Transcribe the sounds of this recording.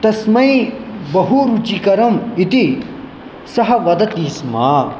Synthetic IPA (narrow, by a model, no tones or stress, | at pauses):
t̪ɐsmɐibɐɦuɾut͡ʃikɐɾɐmit̪i | sɐɦɐ̆ʋɐd̪ɐt̪iːsmaː